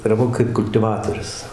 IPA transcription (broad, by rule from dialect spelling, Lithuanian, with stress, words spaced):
ɐr ˈʋɐ kɐɪp kʊlʲtʲɪˈʋɑːtoːrʲʊs